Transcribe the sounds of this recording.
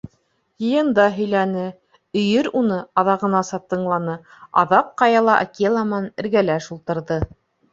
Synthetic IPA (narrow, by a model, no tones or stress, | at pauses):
jɤ̆jɤ̆nd̪ɑɦɵ̆jlænɘ | ɵ̆jɘɾunɤɑðɑʁɤ̆nɑsɑt̪ːɤ̆ɴlˠɑnɤ | ɑ̰ðɑq̚qɑjɑlˠɑʔa̰kelˠɑmɑnɘ̆ɾɡælæʃulˠt̪ɤ̆ɾðɤ